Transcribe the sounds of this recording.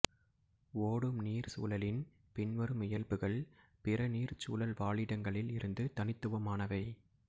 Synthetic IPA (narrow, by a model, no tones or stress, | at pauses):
oːɽɯmniːɾsṵːlɐlɪn | pɪnʋɐɾɯmɪjɐlpɯɣɐɭ | pɪɾɐniːɾt͡ʃuːlɐlʋaːɭɪɽɐŋɡɐɭɪlɪɾɯnd̪ɯt̪ɐnɪt̪ːɯʋɐmaːnɐʋɐɪ